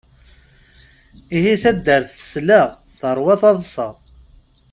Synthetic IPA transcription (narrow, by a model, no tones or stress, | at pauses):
ihiθæd̪ːəɾθə̥slaʁ | θəɾˤwɑθɑðˤsəʁˤ